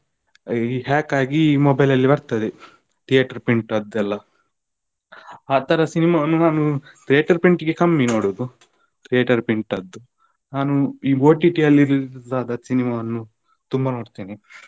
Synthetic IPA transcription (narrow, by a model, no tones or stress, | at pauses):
iɦaːkaːɡiːmɔbɐjlɐlːibɐɾt̪ɐd̪e | ʈ̪ijaːʈɐɾpiɳʈɐd̪ːɛlːɐ | aːt̪ɐɾɐsinimaːnːunaːnut̪ɾijeːʈɐɾpiɳʈiɡekɐmːinoːɽud̪u | t̪ɾijeːʈɐɾpiɳʈɐd̪ːu | naːnuiːɡoːʈiʈiɐlːiɾid̪aːd̪ɐsinimaːɐnːu | t̪umbɐnoːɽt̪iːni